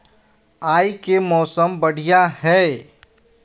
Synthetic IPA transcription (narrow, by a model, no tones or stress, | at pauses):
aːikemɔːsəmbɐɽ̤ijaɦɛː